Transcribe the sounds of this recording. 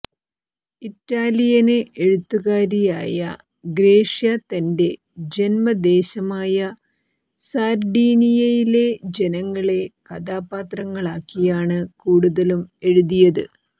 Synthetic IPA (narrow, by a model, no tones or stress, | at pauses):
itːaːlijɐnɨʔeɻut̪ːuɣaːɾija̰ːjɐ | ɡɾe̞ːʂjɐt̪ɐnde̞ | d͡ʑe̞nmɐd̪e̞ːɕɐmaːjɐ | saːɾɖiːnijɐjile̞d͡ʑe̞nɐŋːɐɭe̞kɐd̪aːpaːt̪rɐŋːɐɭaːkːijaːɳɨkuːɽuðɐlume̞ɻuðijɐðɨ̰